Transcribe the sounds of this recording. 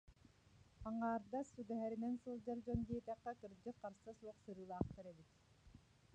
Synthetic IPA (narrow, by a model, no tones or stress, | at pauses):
ɑɴɑːɾd̪asuɡ̪ɛɦɛɾinɛnsulˠd͡ʒaɾd͡ʒɔnɡeːt̪ɛqːɑkɯɾd͡ʒɯqɑɾsɯsuqsɯɾɯːlˠɑːqt̪aɾɛbit̪